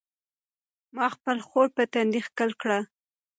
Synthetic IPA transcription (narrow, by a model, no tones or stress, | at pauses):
mɑxpəlxoɽpət̪and̪ixkəlkɽa